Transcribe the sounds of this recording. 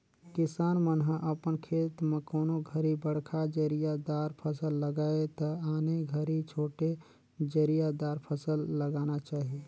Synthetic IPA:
kɪsaːnmənɦəʔəpənkʰeːt̪mẽkoːnoɡʱəɾibəɽ̤kʰad͡ʒəɾijad̪aːɾpʰəsəlːəɡaːet̪ɐaːneɡʱəɾit͡ʃʰoːʈe | d͡ʒəɾijad̪aːɾpʰəsəlːəɡaːnat͡ʃaːɦie

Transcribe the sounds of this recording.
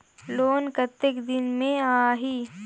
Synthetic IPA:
loːnkət̪ːɪkd̪ɪnmẽaːɦiː

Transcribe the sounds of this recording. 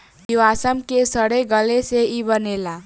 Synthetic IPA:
juasəmkesʌɽəjɡʌleseibʌnela

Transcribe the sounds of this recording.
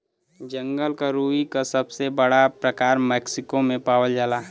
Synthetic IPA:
d͡ʒə̃ŋɡəlkaɾuikasəbsebəɽapɾəkaːɾmɛːksɪkomẽpaːwəld͡ʒaːlaɦ

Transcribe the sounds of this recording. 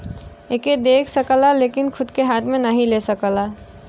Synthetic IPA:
eːked̪eːkʰsəkəlaleːkɪnkʰʊd̪keɦaːt̪ʰmẽnəɦĩlesəkəla

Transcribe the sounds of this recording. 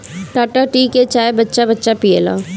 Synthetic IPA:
ʈaːʈaʈiːket͡ʃaːebətːʃabətːʃapijela̰ː

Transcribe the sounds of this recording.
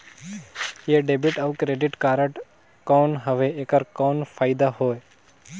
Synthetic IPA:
jeːɖeːbɪʈəʋkɾeːɖɪʈkaːɾəʈ | koːnɦəʋeeːkəɾkɔːnfʰaːɪd̪aɦoːe

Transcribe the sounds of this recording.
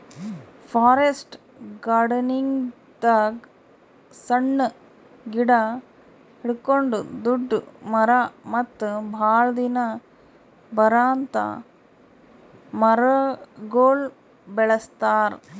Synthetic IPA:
pʰaːɾesʈ | ɡaːɾɖɐniŋ | d̪aɡ | sɐɳːɐ | ɡiɽɐ | hiɭkoɳɖud̪uɖːumɐɾamɐt̪ːbʱaːɭɐd̪inɐ | bɐɾaːnt̪ɐ̰ | mɐɾɐɡoːl | beɭɐst̪aːɾ

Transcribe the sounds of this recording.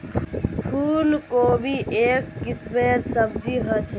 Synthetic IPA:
pʰulkobʱiʔekːisbeɾsəbd͡ʒiɦət͡ʃʰ

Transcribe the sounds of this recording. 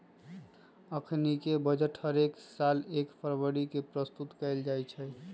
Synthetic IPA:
əkʰnikebəd͡ʒəʈhəɾeksalekpʰəɾʋəɽikepɾəst̪ut̪kəɪld͡ʒajt͡ʃʰɛ

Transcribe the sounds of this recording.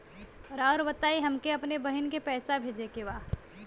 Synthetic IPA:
ɔɾɔːɾbɐt̪aːiɦɐmkeɐpnebɐɦɪnkepɛːsabʱeːd͡ʒekeʋaː

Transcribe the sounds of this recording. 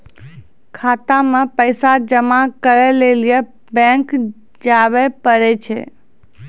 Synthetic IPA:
kʰat̪amə̃pəɪsad͡ʒəmakəɾelelije | bɛ̃ŋk | d͡ʒaʋepəɾet͡ʃʰḛ

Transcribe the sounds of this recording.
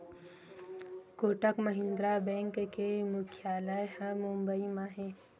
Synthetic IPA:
koːʈəkməɦɪ̃nd̪ɾabɛ̃ːŋkːemʊkʰjaːlajhɐmʊ̃mbəimãɦɛ̃ː

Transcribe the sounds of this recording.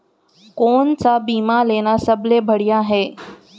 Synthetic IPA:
kont͡sabimalenasəblebʱəɽijaɦe

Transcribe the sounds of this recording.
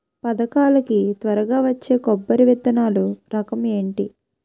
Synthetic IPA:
pɐd̪ɐkaːlɐkit̪ʋɐɾɐɡaːʋɐt͡ʃːe̞ːkɔbːɐɾiʋɛt̪ːɐnaːluɾɐkɐme̞ːɳʈi

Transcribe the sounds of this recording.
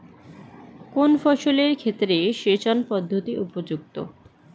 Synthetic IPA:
konfɔʃoleɾkʰet̪ːɾeʃet͡ɕɔnpɔd̪ʱːot̪iʔupod͡ʑuk̚t̪o̰

